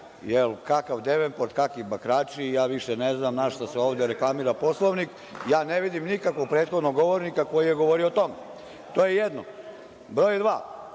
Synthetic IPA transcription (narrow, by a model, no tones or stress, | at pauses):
jelkakaʋd̪eʋempoɾt̪kakʋibakɾaːt͡ʃijaːʋiʃeneznamnaʃt̪aseoːʋd̪eɾeklˠamiɾapo̞slˠoʋnik | jaːneʋid̪imnikakʋoɡ̚pɾeːt̪xo̞d̪noɡːo̞ʋoɾnikako̞jijeɡoʋoɾiot̪o̞me | t̪oːjejed̪no | bɾoːjd̪ʋaː